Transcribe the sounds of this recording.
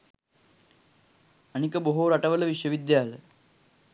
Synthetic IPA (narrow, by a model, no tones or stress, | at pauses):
əñikəboɦoɾaʈɐʋɐlɐʋiʂjəʋid̪jaːlə